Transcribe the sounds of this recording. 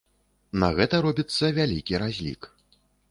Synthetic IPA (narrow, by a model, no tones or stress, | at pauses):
nɐɣɛt̪ɐɾɔbʲit̪sːɐvʲalʲikʲiɾazʲlʲḭk